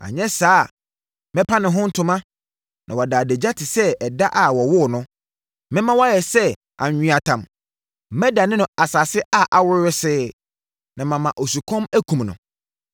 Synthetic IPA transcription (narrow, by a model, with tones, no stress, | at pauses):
a̰˨ɲɛ̃˦saː˦˨ | mɛ̃˦pʰa˦nɪ̃˨ɦʊ̃˦n̩˦tʰʊ̃˨mã˦ | nʔã˨wɔ˨daː˨de˨d͡ʑa˦tʰɪ˨sɛ˦ɛ˨da˦ʔa˨wɔ˨wʊ˦˨nʊ̃˦ | mɪ̃˦mã˦wɔ˦jɛ˨sɛ˦ | ʔa̰˨ɲᶣ˨ĩ˨a˨tʰã˨m | mɛ˦da˨nɪ̃˦nʊ̃˨a˨sa˨sɪ˦ʔa˦ʔa˨wʊ˦ɾɾɪ˦sɪː˦ | nã˨mã˨mã˨ʔo˨su˨kʰɔ̃˦mæ˦kʰũ˨mnʊ̃˨